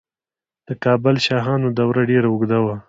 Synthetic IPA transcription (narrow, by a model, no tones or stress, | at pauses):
d̪̥əkɑbəlʃɑɦɑnod̪awɾaɖeɾaʊɡd̪awa